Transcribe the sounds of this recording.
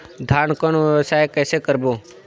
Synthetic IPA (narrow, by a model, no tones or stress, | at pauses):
d̪ʱaɳkəɳ̃oʋjəʋsajkɛːsekəɾboː